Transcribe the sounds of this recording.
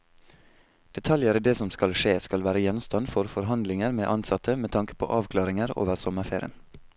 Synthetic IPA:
d̪̥ɛt̪ʰɑljəɾid̪eːsɔmskɑlʃeːskɑlʋæːɾəjɛnmst̪ɑnfɔɾfɔɾɦɑnd̪lɪŋəɾmeːʔɑnsɑt̪ʰəmeːt̪ʰɑŋkə̥pʰo̰ːʔɑːʋkʰlɑːɾɪŋəɾo̰ːʋəɾsɔməɾfeːɾɪə̰n

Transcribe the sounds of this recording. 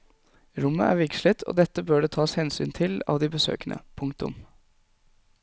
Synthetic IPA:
ɾʊmːə̰ʔæɾʋɪkʃlət̪ʰo̰ːd̪ɛt̪ːəbøːɖeːt̪ʰɑːshɛnsy̰ːnt̪ʰɪlɑ̰ːʋd̪ibəsø̰ːkənʔə̰pʰʊŋkt̪ʊ̰m

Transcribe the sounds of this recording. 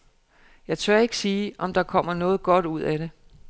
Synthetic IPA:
jɑ̈ɪt͡sʰɶɐe̝ɡ̥əsiːʔɒ̽md̥ɑ̈kʰɒ̽m̰ɐnɔ̽ːð̩ˠɡ̥ɒ̽d̥uð̞̰ˠæɾ̥e̝

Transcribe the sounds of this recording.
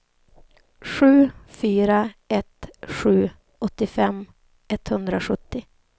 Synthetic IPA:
ɧʉ̟ːfyːɾaɛt̪ɧʉ̟ː | ɔt̪ːɪfɛm | ɛt̪hɵnd̪ɾaɧɵt̪ːɪ

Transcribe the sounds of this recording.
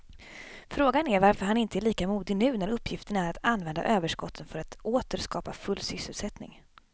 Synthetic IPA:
fɾoːɡanæɾvaɾfœɾɦanɪnt̪əɛɭiːkamuːd̪ɪnʉ̟ːnæɾɵpːjɪft̪əɳaæɾat̪anvɛnd̪a̰ʔøːvəʂkɔt̪ʰːənfœɾat̪ʔoːt̪əɾʂkɑːpafɵlːsʏsːəlsɛt̪nɪ̰ŋ

